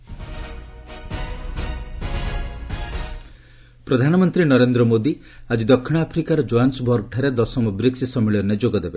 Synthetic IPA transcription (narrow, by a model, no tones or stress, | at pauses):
pɾɔd̪ʱanɔmɔnt̪ɾinɔɾend̪ɾɔmod̪i | ad͡ʒid̪ɔkʰːiɽ̃apʰɾikaɾɔd͡ʒoansbʱɔɾɡʈʰaɾed̪ɔsɔmɔbɾiksisɔmiɭɔnːed͡ʒoɡɔd̪ebe